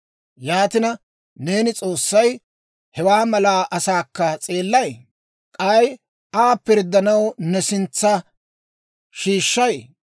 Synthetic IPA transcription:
jaːt̪ɪnɐ | ne̞ːnɪt͡sʼo̞ːsːɐj | hɛwaːmɐlaːʔɐsaːkːɐt͡sʼeːlːɐj | kʼɐj | aːpɪɾd̪ːɐnɐwnɛsɪnt͡sːɐ | ʃiːʃːɐj

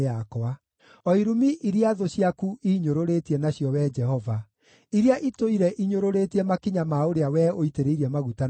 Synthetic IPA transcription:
akɔa | ɔiɾumiʔiɾiaðoɕjakuiːɲoɾoɾetiɛnaɕjɔwɛd͡ʒɛhɔva | iɾiaʔitoiɾɛʔiɲoɾoɾetiɛmakiɲamaoɾeawɛoiteɾeiɾɛmaɣuta

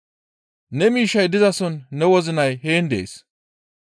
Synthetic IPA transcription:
nɛmiːʃːɐjd̪ɪzɐsɔnːɛwɔzɪnɐjɦeːnd̪ḛːs

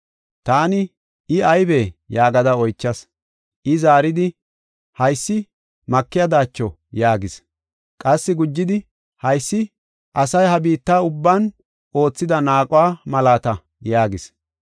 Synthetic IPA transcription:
t̪aːnɪ | ɪɐjbeːjaːɡɐd̪ɐɔjt͡ʃːɐs | ʔɪzaːɾɪd̪ɪ | hɐjsːɪ | mɐkːɪjɐd̪aːt͡ʃːɔ | jaːɡɪs | kʼɐsːɪɡʊd͡ʒːɪd̪ɪ | hɐjsːɪ | ʔɐsɐjhɐbiːt̪ːaːʊbːan | o̞ːt͡sːɪd̪ɐnaːkʼʊwaːmɐlaːt̪ɐ | jaːɡɪs

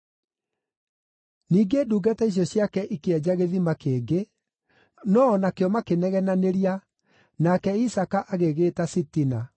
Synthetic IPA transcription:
niːɡeːduːɡatɛiɕ̬jɔɕjakɛʔikeɛd͡ʑaɣeðimakeːɡe | nɔːnakeɔmakenɛɣɛnaneɾia | nakɛisakaʔaɣeɣeːtasitina

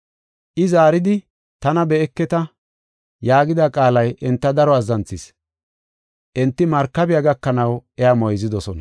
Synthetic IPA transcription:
ʔɪzaːɾɪd̪ɪ | t̪ɐnɐbɛɛkːɛt̪ɐ | jaːɡɪd̪akʼaːlɐjʔɛnt̪ːɐd̪ɐɾɔɐzɐnt͡sːɪs | ʔɛnt̪ːɪmɐɾkːɐbɪjaɡɐkːɐnɐwɛamɔjzɪd̪ɔsɔnɐ

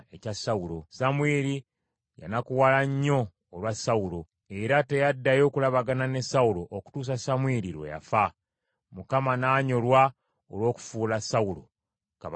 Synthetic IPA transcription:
ecasawulo̞samweːɾi | ja̰nakuwalaɲːo̞ː | lwasaulo̞ | e̞ɾate̞jadːajo̞ːkulaβaɡanane̞saulo̞ʔoku̥tuːs̬asamweɾiɾwḛja̰fa | mukamanaːɲo̞lwa | olwo̞ːku̥fuːlasawulo̞̰ | kaβ

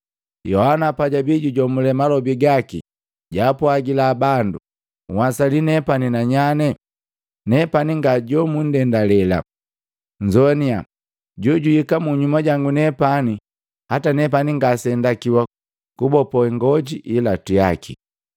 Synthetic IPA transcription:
jɔhanapaɟabiɟuɟɔmulɛmalɔbiɡakḭ | ɟaːpɔaɡilaːbandu | ŋwasalinɛpaninaɲanɛ | nɛpaniŋɡaɟɔmun̩dɛndalɛla̰ | ɲd͡ʒɔnia | ɟɔɟuhikamuɲumaɟaŋɡunɛpani | hatanɛp̬aniŋɡasɛndakiwa | kubɔpɔɛŋɡɔɟiʔilatia̰kʰḭ

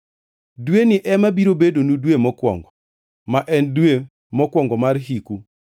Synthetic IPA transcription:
dwenɪʔɛmabiɾobedonudwemɔkwɔ̰ŋɡɔ | maʔɛndwe | mɔkwɔŋɡɔmarɦiku

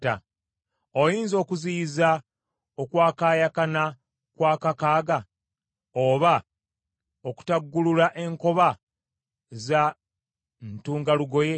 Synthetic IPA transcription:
a̰ | ojiːnzo̞ːkuziːza | okwaːkaːjakana | kwaːkakaːɡa | oβa | oku̥taɡːululaʔe̞ŋko̞βa | za | ntuːŋɡaluɡo̞je̞

